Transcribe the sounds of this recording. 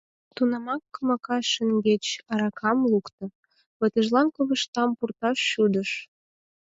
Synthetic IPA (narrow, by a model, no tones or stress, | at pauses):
t̪unɑmɑkːəmɑkɑʃəŋɡet͡ɕɑɾɑkʰɑmlukt̪ɤ̆ | βə̆t̪ə̆ʒlɑnkoβə̆ʃt̪ɑmpurt̪ɑʃːud̪əʃ